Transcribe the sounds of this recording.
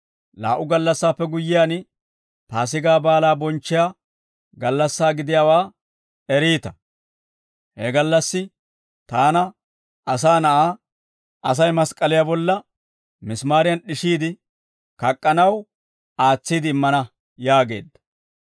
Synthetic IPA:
la̰ːʔʊɡɐlːɐsːaːpːɛɡʊjːɪjaːn | taːs̬ɪɡaːbaːlaːbɔnt͡ʃːɪjaː | ɡɐlːɐsːaːɡɪd̪ɪjaːwaː | ɛɾiːt̪ɐ | hɛɡɐlːɐsːɪ | t̪aːnɐ | ʔɐsaːnɐʔaː | ʔɐs̬ɐjmɐskʼːɐlɪjabɔlːɐ | mɪsmaːɾɪjɐnɗɪʃiːd̪ɪ | kɐkʼːɐnɐw | aːt͡sːiːd̪ɪːmːɐnɐ | jaːɡe̞̰ːd̪ːɐ̥

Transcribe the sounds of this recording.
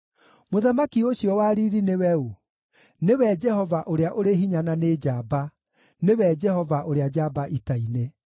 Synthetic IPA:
moðamakioɕijɔwaːɾiɾinewɛo | newɛd͡ʒɛhɔvaʔoɾeaʔoɾeɦiɲananed͡ʒaːba | newɛd͡ʒɛhɔvaʔoɾead͡ʑabaʔitaine

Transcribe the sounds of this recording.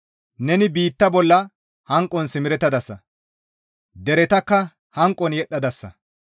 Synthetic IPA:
nɛnɪbiːt̪ːɐbɔlːɐ | hɐŋkʼːɔnsɪmɪɾɛt̪ːɐd̪ɐsːɐ | d̪ɛɾɛt̪ɐkːɐ | hɐŋkʼːɔnjɛɗːɐd̪ɐsːɐ̰

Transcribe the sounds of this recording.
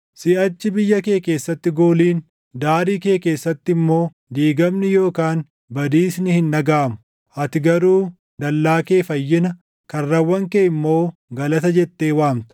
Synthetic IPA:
sɪʔɐt͡ʃːɪbɪjːɐke̞ːke̞ːsːɐt̪ːɪɡoːliːn | d̪aːɾiːke̞ːke̞ːsːɐt̪ːɪɪmːo̞ː | d̪iːɡɐmnɪjo̞ːkaːn | bɐd̪iːsnɪhɪnːɐɡaːmʊ̥ | ʔɐt̪ɪɡɐɾuː | d̪ɐlːaːke̞ːfɐjːɪnɐ | kɐrːɐwːɐŋkeːɪmːo̞ːɡɐlɐt̪ɐd͡ʒɛt̪ːe̞ːwaːmt̪ɐ̥

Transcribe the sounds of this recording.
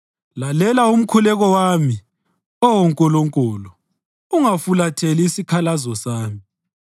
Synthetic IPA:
lalɛlaum̩kʰulɛɣɔwami | ɔwɔŋkʼɔlɔŋkʼɔːlɔ | uŋafulatʰeliːsikʰalazɔsaːmi

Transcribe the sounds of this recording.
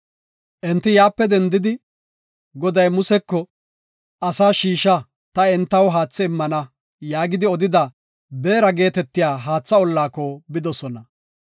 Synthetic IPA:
ʔɛnt̪ːɪjaːpːɛd̪ɛnd̪ɪd̪ɪ | ɡɔd̪ɐjmʊsɛkːɔ | ʔɐsaːʃiːʃɐ | t̪ɐɛnt̪ːɐwɦaːt͡sːɛɪmːɐnɐ | jaːɡɪd̪ɪɔd̪ɪd̪ɐ | be̞ːɾɐɡe̞ːt̪ɛt̪ːɪjaːɦaːt͡sːɐɔlːaːkɔbɪd̪ɔsɔnɐ

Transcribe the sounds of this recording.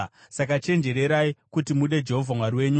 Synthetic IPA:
sakat͡ʃe̞nd͡ʒe̞ɾe̞ɾaikutimuɗe̞d͡ʒe̞ɦo̞vʱamwaɾiwe̞ːɲu

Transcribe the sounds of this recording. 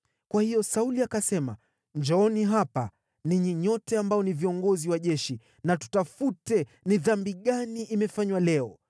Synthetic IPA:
kwahijɔsauliakasɛma̰ | ɲd͡ʒɔɔniɦapa | niɲiɲɔtɛambajɔniviɔŋɡɔziwaʄɛʃi | natu̥tafutɛniðambiɠaniʔimɛfaɲwalɛɔ

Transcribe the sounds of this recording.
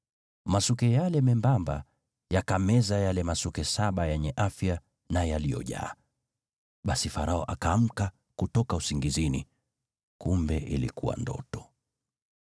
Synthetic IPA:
masukɛjalɛmɛmbamba̰ | jakamɛzajalɛmasukɛsaɓajɛɲɛʔafja | najalijɔ̰ʄa̰ː | ɓasifaɾaɔʔakaːm̩ka | kutɔkausiŋɡizinḭ | kumbɛʔilḭkuwa̰ndɔ̰tɔ̥

